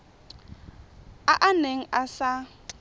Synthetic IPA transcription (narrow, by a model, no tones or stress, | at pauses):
aʔaneŋ̩asa